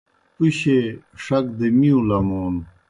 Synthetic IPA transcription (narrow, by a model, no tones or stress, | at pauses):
uɕe | ʂɐkd̪emiũlɐmoːn